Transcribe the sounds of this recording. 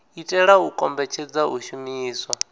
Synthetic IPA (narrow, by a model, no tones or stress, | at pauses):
itʼɛɺaukʼɔmbɛt͡ʃʰɛd͡zaɦuʃumiːswa